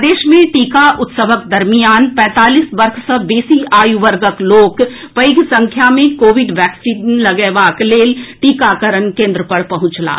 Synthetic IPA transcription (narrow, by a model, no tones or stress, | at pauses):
d̪eːʃmẽʈiːkaʔʊt̪səʋəkd̪ɐɾmijaːnpɛ̃ːt̪aːliːsbɐɾkʰsəbeːsiaːjuʋəɾɡəkloːk | pəɪɡsɐ̃ŋkʰjamẽkoːʋɪɖʋɛːksinlɐɡɛːʋaːkleːlʈiːkaːkəɾənkẽːnd̪ɾəpɐɾpɐɦʊ̃t͡ʃla̰ː